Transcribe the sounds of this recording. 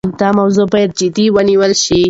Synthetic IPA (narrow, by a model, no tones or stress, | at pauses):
d̪ɑmawzobajad̪̚d͡ʒɪd̪iwəniwəlʃi